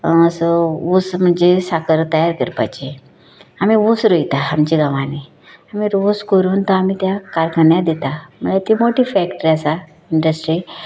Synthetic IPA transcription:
əsousm̤əɳd͡zesakəɾt̪əjaɾkəɾpa̰jt͡ɕi | amiʋusɾojt̪aamt͡ɕiɡaʋãni | amiɾuskəɾuːnt̪oamiːt̪jakaɾkʰənjad̪it̪am̤ənlat̪imoʈiːfɛkʈəɾiasa | iɳɖəsʈɾi

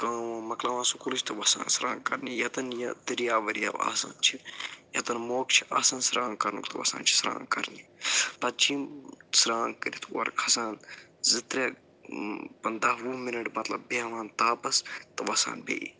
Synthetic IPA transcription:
kãːʋãːmɐklaːʋãːsukulɨt͡ʃʰt̪ɨʋɐsã̰ːnsɾã̰ːŋkɐɾnijɐt̪ɐnjɐd̪ɐɾjaːʋɐɾjɐ̰ʋa̰ːsa̰ːnt͡ʃʰijɐt̪ɐnmoːkt͡ʃʰi̥ʔa̰ːsãːnsɾʔãːŋkɐɾnṵkt̪ɨʋɐ̰sa̰ːnt͡ʃʰi̥sɾã̰ːŋkɐɾnipɐt̪̚t͡ʃiːmsɾãːŋkəɾit̪ʰɐ̰ɾkʰɐsaːnzɨt̪ɾʲe | pɐnd̪aːwuminɐʈmɐt̪lɐ̰bbeʋãːnt̪aːpɐst̪ɨʋɐsa̰ːnbḛːḭ

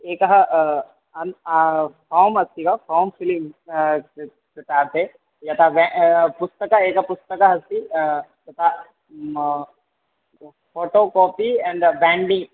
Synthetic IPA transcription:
eːkɐɦɐ | ɐn | paːmɐst̪ikɐpaːmfilim | set̪aːɾt̪e | jɐt̪aʋɛpust̪ɐkɐeːkɐɦɐpust̪ɐkɐɦɐst̪id͡ʒɐt̪a | foːʈoːkoːpiɛ̃ɳɖbɛ̃ːɳɖĩŋ

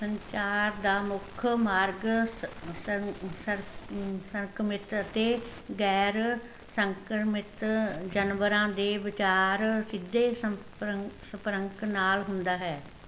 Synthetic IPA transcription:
səɲt͡ʃaːɾd̪aːmʊkʰmaːɾɡ | əsəɾkmɪt̪ət̪eːɡɛːɾ | səŋkɾmɪt̪d͡ʒənʋəɾãːd̪eːʋɪt͡ʃaːɾsɪd̪ːeːs | səpɾəŋknaːlɦʊnd̪aːɦɛː

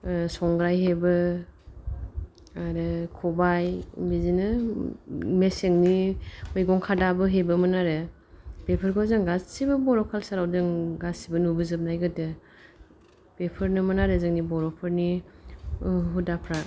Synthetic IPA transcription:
sɔŋɡɾajɦebɯ | aɾɯkʰɔbajbizinɯ | meseŋnimɯjɡɔŋkʰadabɯɦebɯmanaɾɯ | pepʰɯɾɡɔzɯŋɡassibɯbɔɾɔkʰalsaɾawzɯŋɡassibɯnubɯzɯp̚najɡɯdɯ | pepʰɯɾnɯmanaɾɯzɯŋnibɔɾɔpʰɯɾni | ɦudapʰɾa

